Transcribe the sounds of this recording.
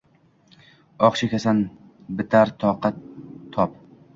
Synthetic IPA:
ɒqʃɪkʲʰasanbɪt̪ʰaɾt̪ʰɒqʰat̪ʰːɒp

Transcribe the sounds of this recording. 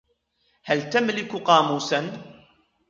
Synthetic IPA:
halt̪amlɪkqɑːmuːsan

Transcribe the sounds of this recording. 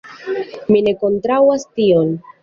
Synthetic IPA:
mine̞ko̞ntɾawastion

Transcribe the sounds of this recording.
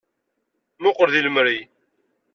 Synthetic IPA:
mʊqəɾðiləmɾi

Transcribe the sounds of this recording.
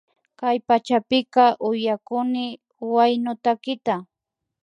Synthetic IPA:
kajpat͡ʃapɪkɑʔʊjakʊnɪ | wajnʊt̪akɪt̪a

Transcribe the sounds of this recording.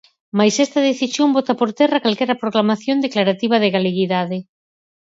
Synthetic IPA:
majsɛst̪ɐð̞eθisjombɔt̪apoɾt̪ɛrakalkɛɾɐpɾoklamaθjond̪eklaɾat̪iβ̞ɐðeɣaleɣiðaðɪ

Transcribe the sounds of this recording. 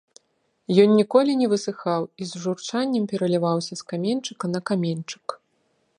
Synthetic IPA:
jɔnːʲikɔlʲinʲɛvɨsɨxawizʐurt͡ʂanʲːɐmpʲɛɾɐlʲivawsʲɐskamʲent͡ʂɨkɐnɐkamʲenʲt͡ʂɨ̥k

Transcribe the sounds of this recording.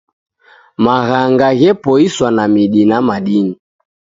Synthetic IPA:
maɣaŋɡaɣɛpɔiswanamiɗinamaɗini

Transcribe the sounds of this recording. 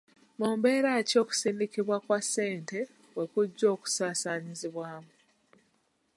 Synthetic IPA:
moːmbe̞ːɾaːco̞ːku̥siːndikiβwakwasːe̞ːnte̞ | we̞kuɟːo̞ːku̥saːsaːɲiziβwaːmu

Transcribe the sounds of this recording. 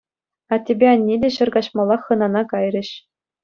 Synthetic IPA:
ɑtʲebʲeɑnʲːedʲeɕɤ̆rɡɑɕmɑlˠːɑχːɤ̆nɑnɑkɑjrʲɘ̆ɕ

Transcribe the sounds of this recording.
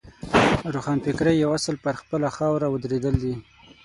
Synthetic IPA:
ɾoxɑnpɪkɾəjːawasəlpəɾxpəlaxɑwɾaəd̪ɾed̪əld̪i

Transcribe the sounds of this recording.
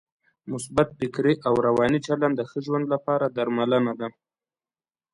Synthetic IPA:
mʊsbat̪̚fɪkɾeʔawɾawɑnit͡ʃaland̪əxəʒwand̪lapɑɾad̪aɾmalənad̪a

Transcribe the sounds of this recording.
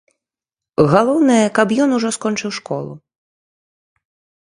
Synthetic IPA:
ɣalˠɔwnɐjɐkɐpjɔnuʐɔskɔnt͡ʂɨwʂkɔ̰lˠṵ

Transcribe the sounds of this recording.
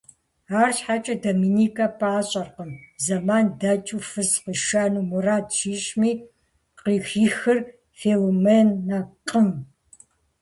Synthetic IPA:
aːrɕħat͡ʃʼɐdomiːniːkʰʼɐpʰʼaːɕʼɐrqəmzɐmaːndɐt͡ʃʼufɨzqiʃaːnuːmuraːtʃiːɕʼmiː | qiːxiːxɨr | feːlomenːɐqʼəm

